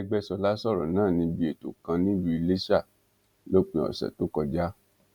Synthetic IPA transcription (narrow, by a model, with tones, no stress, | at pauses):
ɛ˧ɡ͡bɛ˦sɔ˧la˦sɔ˦˨ɾɔ̰˨nãː˦˨nĩ˧bi˧e˨to̰˨kã˧nĩ˦bi˧i˧le˦sa˦˨ | lo˦k͡pĩ˧ɔ̰˨sɛ̰˨to˦kɔ˧d͡ʒa˦